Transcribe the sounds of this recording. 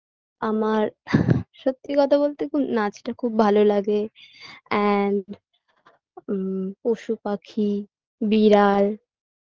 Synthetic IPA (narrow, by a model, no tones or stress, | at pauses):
amaɾʃot̪ːikɔt̪ʰaβolt̪ekunat͡ɕʰʈakʰub̚bʱalolaɡe | ɛn | poʃupakʰi | biɾaɾ